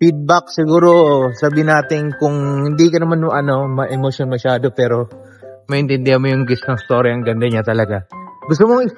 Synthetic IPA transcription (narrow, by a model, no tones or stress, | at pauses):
fid̪̚bak̚sɪɡuːɾo̞saːbiɪnaːt̪ɪnkʊŋhɪnd̪ikɐnɐmanoʔɐno̞mɐʔɛmoʃonmɐʃaːd̪o̞pɛːɾo̞ | mɐʔɪnt̪ɪnd̪ɪhɐnmojʊŋɡɪsnɐŋst̪o̞ːɾjɐɐŋɡɐnd̪ɐɲat̪ɐlɐɡaɡʊst̪omoŋɪ